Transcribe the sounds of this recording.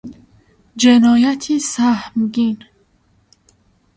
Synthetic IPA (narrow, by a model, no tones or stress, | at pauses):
d͡ʒenɔːjat̪ʰisahmɡin